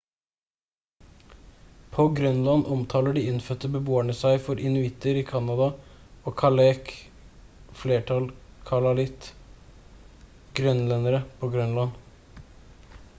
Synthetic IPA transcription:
pʰoːɡɾœnlɑnʔɔmt̪ʰɑːləɖiːɪnfœt̪ːəbəboːæɳəsæɪfɔɾʔɪnʉɪt̪əɾiːkʰɑnɑd̪ɑ | oːkʰɑleːk | fleːʈʰɑlkʰɑlɑlɪt̪ | ɡ̥ɾœnlɛnəɾəpʰoːɡɾœnlɑn

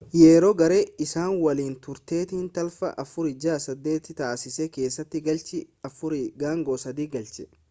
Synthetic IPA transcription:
jeːɾoːɡɐɾeːɪsaːnwɐliːnt̪ʊɾt̪e̞ːt̪ɪnt̪ɐlfɐ̰ʔɐfʊɾɪd͡ʒaːsɐd̪ːe̞ːt̪ɪt̪aːsɪsɛke̞ːsːɐt̪ːɪɡɐlt͡ʃɪɐfʊɾɪɡaːŋɡoːsɐd̪iːɡɐlt͡ʃɛ̥

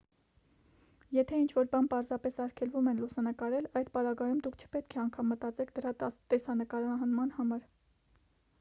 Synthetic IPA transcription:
jɛt̪ʰɛint͡ʃʰvɔɾbɑnpɑɾzɑpɛsɑɾkʰɛlvumɛnlusɑnəkɑɾɛlɑjd̪pɑɾɑɡɑjumd̪ukʰt͡ʃʰə̥pɛt̪kʰɛɑŋkʰɑmːət̪ɑt͡sɛkʰd̪əɾɑt̪ɛsɑnəkɑɾɑɦɑnmɑn̪hɑmɑɾ

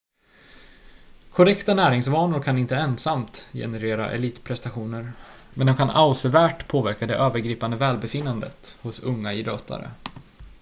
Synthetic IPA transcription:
kʰɔɾɛkt̪anæːɾɪŋsvɑːnʊɾkʰanɪnt̪əɛnsamt̪jɛ̰nɛɾeːɾa̰ʔɛ̰liːt̪pʰɾɛst̪aɧuːnəɾmɛnd̪ɔmkʰanʔaʊsəvæːʈpʰoːvæɾkad̪ɛʔøːvəɾɡɾiːpand̪əvɛːlbɛfɪnːand̪ə̰t̪hʊsɵŋːaɪd̪øːt̪ʰa̰ɾə̰

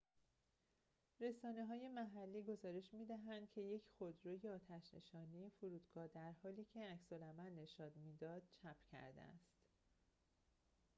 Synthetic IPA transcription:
ɾe̞sɒːne̞ɦɒːje̞mæɦælːiːɡo̞zɒːɾe̞ʃmiːd̪æɦænd̪̥cʰe̞je̞cʰxod̪ɾoːje̞ɒːt̪ʰæʃne̞̰ʃɒːniefuɾuːd̪̥ɡɒːd̪æɾhɒːliːcʰe̞æcsolæmælnːe̞ʃɒːd̪miːd̪ɒːd̪̥̚t͡ʃʰæpʰcʰæ̰ɾd̪ḛæ̰st̪

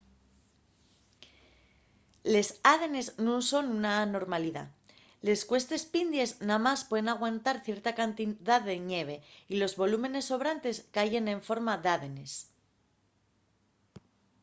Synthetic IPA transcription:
le̞saðe̞ne̞znuso̞nunano̞ɾmaliða̰ | le̞skwe̞st̪e̞spind̪je̞znamaspwe̞ðenaɣ̞want̪aɾθje̞ɾt̪akant̪iðaðe̞ɲe̞β̞e̞ilo̞zβo̞lume̞ne̞sːo̞β̞ɾant̪e̞skaʝe̞nẽ̞ɱfo̞ɾmaðaðe̞ne̞s

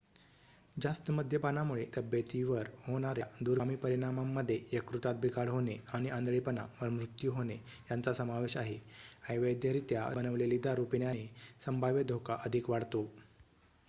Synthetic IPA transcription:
d͡zast̪əməd̪ʱjəpanamuɭet̪əbjət̪iʋəɾhoɽ̃aɾjad̪uɾmiːpəɾiɽ̃amamːəd̪ʱːjejəkɾut̪at̪̚bʱikaɽɦoneaɽ̃iʔand̪ɭipənaʋəɾmɾut̪juɦone | jant͡sasəmaʋeɕaɦeajʋəjd̪jaɾiːt̪jabənəʋlelid̪ʱaɾupiɳjanesəmbʱaʋjəd̪ʱokaʔəd̪ʱikʋaɽt̪o

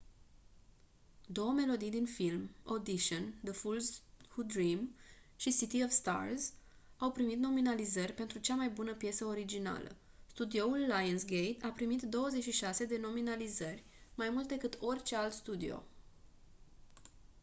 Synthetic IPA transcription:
d̪o̞wəme̞lo̞d̪ijd̪infilmod̪iʃənd̪əfulzhud̪ɾimʃisit̪iovst̪a̰rz | awpɾimit̪no̞minalizərʲpe̞nt̪ɾut͡ʃamajbunəpje̞səo̞ɾid͡ʒina̰lə̰ | st̪ud̪io̞ulːajənsɡejt̪apɾimit̪d̪o̞wəze̞t͡ʃʃiʃase̞d̪e̞no̞minalizərʲ | majmult̪̚d̪ekɨt̪ʰo̞rʲt͡ʃe̞alt̪st̪ud̪io̞̰

